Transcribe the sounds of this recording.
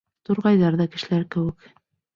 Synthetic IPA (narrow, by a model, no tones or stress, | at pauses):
t̪ŏɾʁɑjðɑɾðɑkɘ̆ʃɘ̆læɾkɘ̆wɘ̆k